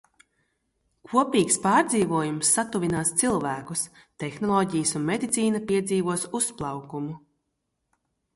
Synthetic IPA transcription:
kʰuɔpʲiːkspaːɾd̪ziːvuɔjumsːat̪uvʲinaːst̪silˠvæːkus | t̪exnɔlˠɔːɟijəsunmed̪ʲit̪sʲiːnapiɛd̪ziːvuɔsusplˠɑwkumu

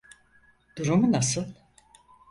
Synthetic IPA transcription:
d̪̥uɾumunasɯlˠ

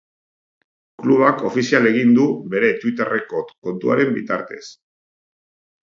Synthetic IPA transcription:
kluβ̞ako̞fisiale̞ɣ̞ind̪uβe̞ɾe̞t̪wit̪e̞re̞kot̪ko̞nt̪ua̰ɾe̞mbit̪a̰ɾt̪e̞̰s

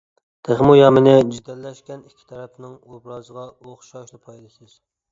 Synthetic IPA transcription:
t̪ʰeχmujɑmɪnɪd͡ʒid̪ɛlːɛʃkʲɛnikʲʰːi̥t̪ʰɛɾɛpnɪŋobɾɑzəʁɑoχʃɑʃlˠɨpʰɑjlˠɨʃɨz̥

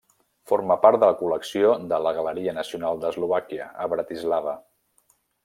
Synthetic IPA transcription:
foɾməpaɾt̪d̪ələkuləksiod̪ələɣələɾiənəsiunalˠd̪əzluβakiəəβɾət̪izlaβə

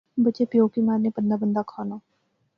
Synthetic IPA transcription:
bət͡ʃepjoːkimaːɾnepənd̪abənd̪akʰaːnaː

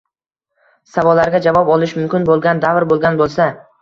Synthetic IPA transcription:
savɒlːaɾɡʲad͡ʒavɒpɒlɪʃmʊmkʲɪnbolˠɡʲand̪avɾbolˠɡʲanbolˠsa

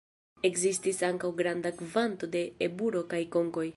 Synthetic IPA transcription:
e̞kzistisaŋkawɡɾandakvant̪o̞de̞ːbuɾo̞kajko̞ŋko̞j

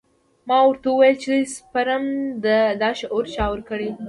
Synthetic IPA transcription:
mɑwəɾt̪auwajəlt͡ʃespaɾamd̪əd̪ɑʃoɾt͡ʃɑwɾkəɽe

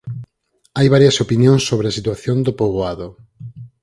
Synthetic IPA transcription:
ajβaɾjɐsopinjõŋsːoβɾeɐsit̪waθjond̪opoβoaðo

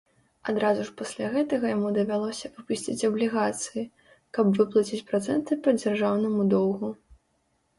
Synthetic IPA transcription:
ad̪ɾazuʂpasʲlʲaɣɛt̪ɐɣɐjamud̪ɐvʲalˠɔsʲɐvɨpusʲt͡sʲit͡sʲɐblʲiɣat̪sɨji | kɐbvɨplˠɐt͡sʲit͡sʲpɾat̪sɛ̰nt̪ɨpɐd͡zʲarʐawnɐmud̪ɔw̪ɣu

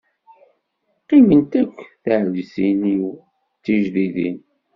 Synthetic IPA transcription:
qimənt̪ækʷːθəʕlisiniw | t͡sːiʒðiðḭn

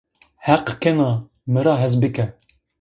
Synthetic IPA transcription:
hæqkʰɛnɑ | mɨɾɑːɦɛzbɨkɛ

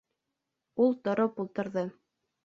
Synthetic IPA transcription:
ulˠt̪ŏɾopulˠt̪ɤ̆ɾðɤ

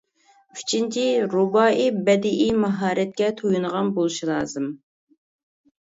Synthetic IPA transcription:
y̥t͡ʃʰint͡ʃʰiɾubɑːʔibɛd̪ɪʔimɑɦɑːɾɛt̪̚kʲɛt̪ʰojunəʁɑnbolˠuʃilˠɑːzɨm

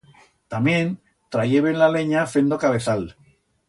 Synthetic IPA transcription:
t̪amjẽ̞n | t̪ɾajeβenlale̞ɲafe̞nd̪okaβe̞θal

